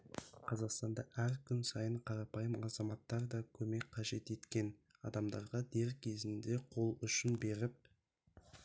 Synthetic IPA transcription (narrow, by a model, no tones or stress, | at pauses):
qʰɑzɑqst̪ɑnd̪ɑʔæɾkʲʰʏnsɑjəɴqʰɑɾɑpɑjəmɑzɑmɑt̪ːɑɾd̪ɑkʲʰɵme̞k̚ʲqʰːɑʒe̞t̪e̞t̪kʲe̞n | ɑ̰d̪ɑmd̪ɑɾʁɑd̪e̞ɾkʲʰe̞zɪnd̪e̞qʰo̞lˠʏʃɪnbe̞ɾɪp̚